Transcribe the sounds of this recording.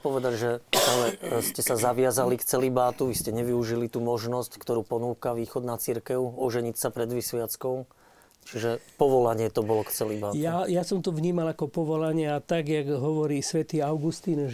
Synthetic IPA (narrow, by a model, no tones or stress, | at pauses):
pɔʋɛd̪aɟʒɛalɛscɛsazaʋɪazalikt͡sɛlibaːt̪uʋiscɛɲɛʋiuʒilit̪uːmɔʒnɔsckt̪ɔɾuːpɔnuːkaʋiːxɔd̪nat͡siɾkɛʊɔʒɛɲicsapɾɛd̪ʋisʋɪat͡skɔʊ | t͡ʃiʒɛpɔʋɔlaɲɪɛt̪ɔbɔlɔkt͡sɛlibaːtj̪ajasɔmt̪ɔʋɲiːmalakɔpɔʋɔlaɲɪɛat̪aɡjaɡɦɔʋɔɾiːsʋɛt̪iːaʊɡust̪iːn